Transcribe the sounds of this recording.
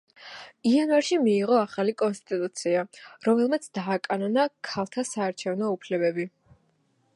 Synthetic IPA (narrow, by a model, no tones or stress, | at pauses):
ianvaɾʃimiːʁɔaχalikʼɔnst̪ʼit̪ʼut̪sʰiaɾɔmɛlˠmat̪sʰd̪aːkʼanɔnakʰalˠt̪ʰasaːɾt͡ʃʰɛvnɔupʰlɛbɛbi